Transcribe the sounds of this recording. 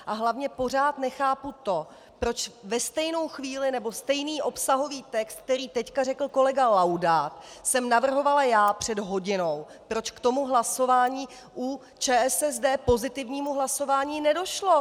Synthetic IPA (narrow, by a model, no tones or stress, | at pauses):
ʔaɦlavɲɛpo̞r̝aːt̪nɛxaːput̪o̞ | pɾo̞t͡ʃvɛst̪ɛjno̞wxviːlɪnɛbo̞st̪ɛjniːʔo̞psaɦo̞viːt̪ɛkst̪̚k̚t̪ɛɾiːt̪ɛckarɛkl̩ko̞lɛɡalawdaːt̪sɛmnavr̩ɦo̞valajaːpr̥ɛdɦoɟɪno̞w | pɾo̞t͡ʃkt̪o̞muɦlaso̞vaːɲiː | ʔu | t͡ʃɛːʔɛsɛzdɛːpo̞zɪt̪ɪvɲiːmuɦlaso̞vaːɲiːnɛdo̞ʃlo̞